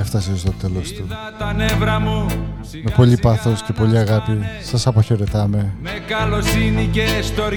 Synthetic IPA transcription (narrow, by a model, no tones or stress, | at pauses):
eft̪ɐsiost̪ot̪elost̪u | t̪ɐnevɾɐmu | me̞po̞ʎipɐθosce̞po̞ʎiɐɣɐpisɐsɐpɐçe̞ɾe̞t̪ɐme̞mekɐlo̞sinicest̪oɾ